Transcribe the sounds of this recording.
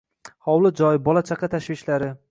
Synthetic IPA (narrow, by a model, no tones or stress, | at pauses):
hɒwlɪd͡ʒɒjɪbɒlat͡ʃʰaqʰɑt̪ʰaʃvɪʃlaɾɪ